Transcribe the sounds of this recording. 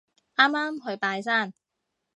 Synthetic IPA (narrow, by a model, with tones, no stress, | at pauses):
aː˥maː˥mɦɵ˧ɥpaː˧js̬aː˥˩n